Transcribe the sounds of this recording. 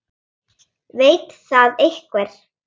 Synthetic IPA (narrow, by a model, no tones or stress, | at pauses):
veːjt̪θaðejhkvɛɾ̥